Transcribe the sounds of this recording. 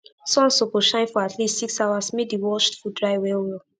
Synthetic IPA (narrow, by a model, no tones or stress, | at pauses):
sɔ̃nsokoʃãɪ̃nfɔatʰlistsiksawasmebiwɔt͡ʃtfudɹaɪwɛwɛl